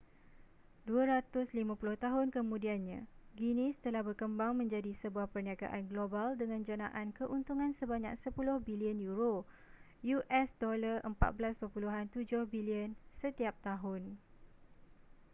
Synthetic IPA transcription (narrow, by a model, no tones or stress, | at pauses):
duaɾat̪ʊslimãpulʊht̪aɦʊnkəmũdianɲã̰ɡinɪst̪əlahbərkəmbaŋmə̃ɲd͡ʒadisəbuahpərniaɡa̰ʔanɡlobaldəŋãnd͡ʒanãʔankəʔunt̪uŋãnsəbaɲa̰ksəpulʊhbiliənjuɾo | juʔɛsdolarʔəmpa̰t̪̚bəlaspəpuluɦant̪ud͡ʒʊhbiliənsət̪iap̚t̪aɦʊn